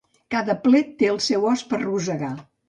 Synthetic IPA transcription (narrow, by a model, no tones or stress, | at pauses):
kaðəplɛt̪ːeəlˠsɛwɔspəɾruzəɣa